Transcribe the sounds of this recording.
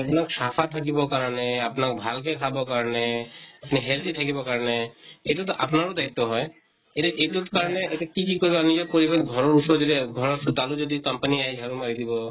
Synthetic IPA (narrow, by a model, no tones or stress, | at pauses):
apnaksapʰat̪ʰak̬ibɔkaɹɔnɛapnak̚bʱalkɛkʰabɔkaɹɔnɛapniɦɛlt̪it̪ʰakibɔkaɹɔneejtutɔʔapnaɹud̪aɦit̪ːɔɦɔj | etɛʔetutkaɹɔneetɛkikikoɹibanid͡ʒɔpoɹibanɡʱɔɹɔɹupsɔɹd͡ʒɔdiɡʱɔɹɔst̪alud͡ʒɔd̪ikɔmpaniaɦid͡ʒʱaɹumaɹid̪ibɔ